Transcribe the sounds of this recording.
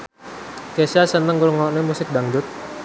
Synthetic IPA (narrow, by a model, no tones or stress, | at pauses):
kesasənəŋɡulŋɔʔnemusɪk̚daŋd͡ʒʊt̪̚